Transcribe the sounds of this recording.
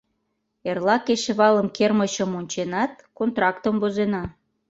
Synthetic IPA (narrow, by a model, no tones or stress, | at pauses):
erlɑkeʃeβɑləmkerməɕəmonʲt͡ɕenɑt̪̚kont̪rɑkt̪əmbozenɑ